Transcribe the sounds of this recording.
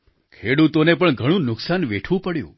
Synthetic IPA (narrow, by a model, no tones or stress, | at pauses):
kʰeɽut̪onepəɳɡʱəɽ̃ũnʊksanʋeʈʰʋũpəɽjṵ̃